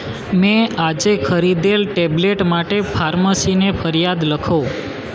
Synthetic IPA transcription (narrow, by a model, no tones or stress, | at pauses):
mɛ̃ad͡ʒekʰəɾid̪elʈebleʈmaʈepʰaɾməsinepʰəɾjad̪ləkʰõ